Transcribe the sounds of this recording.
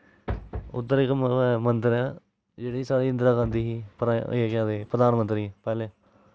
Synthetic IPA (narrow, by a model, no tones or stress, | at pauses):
ʊ̰t̪ːəɾɪkːmə̃nt̪ɾɛ̃ː | d͡ʒeːɽisaːɽiːɪ̃nd̪ɾaːkãnd̪iːɦiːpəɾaeːkãːd̪eːpɾəd̪aːnəmə̃nt̪ɾĩpɛːleː